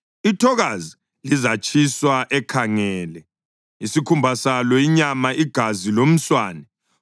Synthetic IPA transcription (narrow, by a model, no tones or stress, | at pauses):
itʰɔɣazi | lizat͡ʃʰʼiswaʔɛkʰaŋɛːlɛ | isikʰumbʱasalɔiɲamaiɡ̥ʱazilom̩swaːnɛ